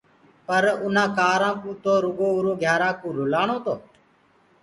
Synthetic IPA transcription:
pəɾʊnãːkaːɾãːkũːt̪oːɾʊɡoːʊɾoːɡʱjaːɾãːkũːɾʊlaːɳoːt̪oː

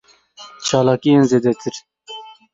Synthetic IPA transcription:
t͡ʃʰɑːlɑːkijenzeːd̪ɛt̪ʰɨɾ

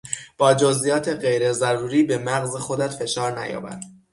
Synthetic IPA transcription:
b̥ɒːd͡ʒozʔijɒːt̪ʰe̞ɢe̞jɾe̞zæɾuːɾiːbemæɣzexo̞d̪æt̪fe̞ʃɒːɾnæ̰jɒ̰ːbæ̰nd̪̥

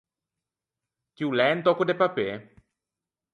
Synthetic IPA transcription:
kiwlɛnt̪ɔkud̪epape

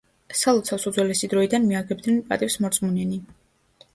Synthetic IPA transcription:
salˠɔt̪sʰasud̪zwɛlɛsid̪ɾɔid̪anmiaɡɛb̚d̪nɛnpʼa̰t̪ʼifsmɔɾt̪sʼmunɛni

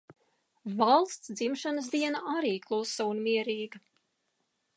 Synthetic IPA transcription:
valˠst̪sd̪zimʃanəs̬d̪iɛnaaɾiːklˠusːawnmiɛɾiːɡɐ

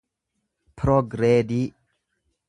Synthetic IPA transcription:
pʰɾoɡɾed̪i

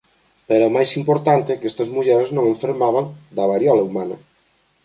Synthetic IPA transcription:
peɾɛmajsimpoɾt̪ant̪ɪkest̪ɐzmuʎɛɾeznõŋẽɱfeɾmaβ̞aŋd̪ɐβaɾjɔlɐumanɐ

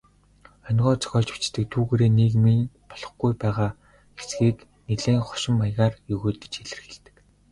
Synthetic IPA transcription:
œnʲʁɔːt͡sɔ̥xʲɔːɮt͡ɕu̥t͡ɕt̪ɘ̆k̚t̪ʰuːɣeːɾeːniːkminpɔɮɞ̥̆χɡujpæːʁaː | xesɡiːkneɮeːŋχɔ̥ʃɪ̆mːajʁaːrjɵɣoːt̪ə̥̆t͡ɕxeɮɘ̆rxĕɮt̪ɘ̥̆k̆

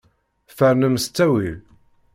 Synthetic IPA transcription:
fəɾnəmst͡sːæwi

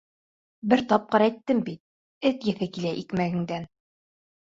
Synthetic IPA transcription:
bɘɾt̪ɑp̚qɤɾæjt̪ːɘmbit̪̚ | ɘt̪jɘ̆θɘkilæʔikmæɡɘ̆ŋd̪æn

